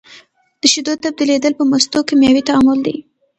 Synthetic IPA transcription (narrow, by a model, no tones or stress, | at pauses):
d̪̥əʃʊd̪od̪t̪ab̚d̪iled̪əlpəmʊst̪okemjɑwit̪aamʊld̪ḭ